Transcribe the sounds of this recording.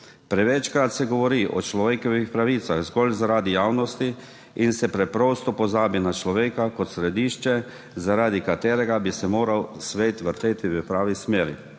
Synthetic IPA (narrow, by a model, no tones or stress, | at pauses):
pɾɛʋɛt͡ʃkɾat̪sɛɡɔʋɔɾiʔɔ̰t͡ʃlɔʋeːkɔʋixpɾaʋit̪saɣzɡɔlzaɾaːd̪ijaːwnɔst̪i | insɛpɾɛpɾɔst̪ɔpɔzaːbinat͡ʃlɔʋeːkakɔt̪sɾɛd̪iːʃt͡ʃɛ | zaɾaːd̪ikat̪eːɾɛɡabisɛmoːɾawsʋeːt̪ʋəɾt̪eːt̪iʋəpɾaːʋismeːɾḭ